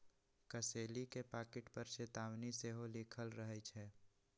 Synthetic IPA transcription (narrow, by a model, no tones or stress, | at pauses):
kəseːlikepaːkɪʈpəɾʃeːt̪aːwniseɦoliːkʰəlɾəɦɛt͡ʃʰɛː